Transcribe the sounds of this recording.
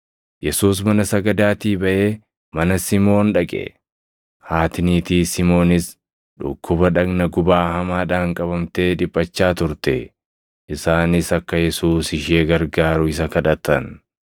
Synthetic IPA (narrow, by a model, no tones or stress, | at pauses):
jɛsuːs̬mɐnɐsɐɡɐd̪aːt̪iːbɐʔe̞ː | mɐnɐsɪmo̞ːnᶑɐkʼɛ̰ | haːt̪ɪniːt̪iːsɪmo̞ːnɪs | ᶑʊ̰kʰːʊbɐᶑɐɡnɐɡʊbaːhɐmaːᶑaːŋkʼɐbɐmt̪e̞ːᶑɪpʼːɐt͡ʃːaːt̪ʊɾt̪ɛ | ʔɪsaːnɪsɐkːɐjɛsuːsɪʃeːɡɐɾɡaːɾʊɪs̬ɐkɐᶑɐt̪ːɐn